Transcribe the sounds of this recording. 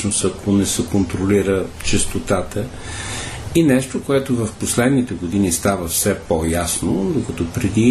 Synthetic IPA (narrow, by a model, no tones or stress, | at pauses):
nost̪ɐkʰonɛsɛkont̪ɾoliɾət͡ʃɛst̪ot̪at̪ə | inɛʃt̪okoɛt̪ovɐfposlɛd̪nit̪ɛɡod̪inist̪avəfsɛpojasnod̪okɐt̪ɔpɾɛd̪i